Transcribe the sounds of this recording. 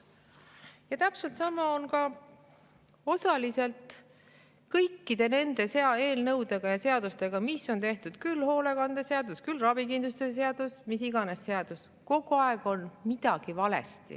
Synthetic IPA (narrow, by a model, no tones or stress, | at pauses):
jɑt̪æpselt̪sɑmɑonkɑ | o̞sɑlise̞lt̪ˑ | kɤjkːid̪̥e̞ne̞nd̪̥e̞seɑe̞ːlnɤwd̪̥e̞ɡ̥ɑjɑse̞ɑd̪̥ust̪e̞ɡ̥ɑmiso̞nt̪e̞ht̪ud̪̥kylːho̞ːle̞kɑnd̪̥eseɑd̪uskylrɑb̥ikind̪lust̪es̬e̞ɑd̪̥usmisiɡɑne̞sːe̞ɑd̪̥us | ko̞ɡ̥uɑeɡ̥o̞nmid̪̥ɑɡ̥ivɑle̞̰st̪ḭ